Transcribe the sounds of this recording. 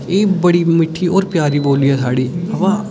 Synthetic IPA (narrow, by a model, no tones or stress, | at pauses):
eːbəɽiːmɪʈʰːiːoːɾpjaːɾiːboːliːɛːsaːɽiːəpãː